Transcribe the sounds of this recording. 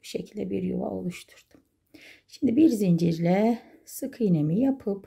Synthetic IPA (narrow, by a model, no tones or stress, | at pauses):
ʃecʰilʲd̪ɛ̰bḭɾjo̰va̰o̞̰lˠuʃt̪ʰu̥ɾd̪̥u̥ | ʃimd̪ibiɾzind͡ʒiɾlʲɛsɯkʰɯjnemijapʰɯp